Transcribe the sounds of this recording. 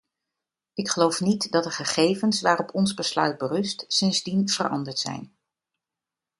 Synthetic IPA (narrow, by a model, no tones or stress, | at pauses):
ɪkχəlowfnitdɑt̚dəχəχejvənsʋaːrɔpʰɔnzbəslœ̰ɥd̚bərɵstsɪnzdinv̥ə̰rʔɑ̰ndəɹtsɛ̰jn